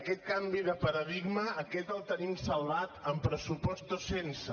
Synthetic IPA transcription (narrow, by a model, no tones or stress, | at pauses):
kɛt̪̚kambiðəpəɾəðiɡməːkɛt̪əlˠt̪ənimsəlːat̪əmpɾəsupɔst̪osensə